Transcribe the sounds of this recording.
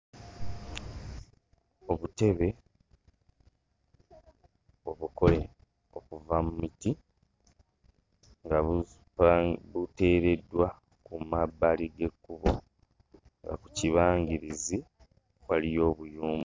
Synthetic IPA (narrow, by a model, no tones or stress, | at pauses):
o̞βute̞βe̞ | o̞βuko̞le̞ | o̞kuvamumiti | ŋɡa | βute̞ːɾe̞dːwa | kumabːaliɡe̞kːuβo̞ | ŋɡa̰ku̥ciβaːŋɟiɾizi | βwalijo̞ːβujuːmu